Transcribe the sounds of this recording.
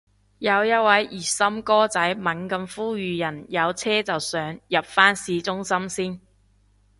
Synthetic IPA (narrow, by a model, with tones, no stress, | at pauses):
jɐ˨˧wjɐ˥t̚wɐ˨˧˥jʔiː˨˩sɐ˥mkɔː˥t͡sɐ˨˥jmɐ˨˥nkɐ˧mfuː˥ɥyː˨˧jɐ˨˩njɐ˨˧wt͡sʰɛː˥t͡sɐ˨wsœː˨˧˥ŋjɐ˨p̚faː˥nsiː˨˥t͡sʊ˥ŋsɐ˥msiː˥n